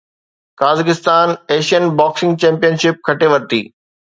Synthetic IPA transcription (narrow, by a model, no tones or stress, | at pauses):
kaːzɪkɪst̪aːneːʃiənbaːksɪ̃ŋɡ̚t͡ɕɛ̃ːmpijənʃɪp̚kʰɐʈeʋɐɾt̪ḭː